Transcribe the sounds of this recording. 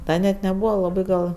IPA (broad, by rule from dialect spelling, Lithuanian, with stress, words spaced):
ˈdɐ nʲɛt nʲɛˈbuːʋɐ lˠɐˈbɜ ɡɐlˠ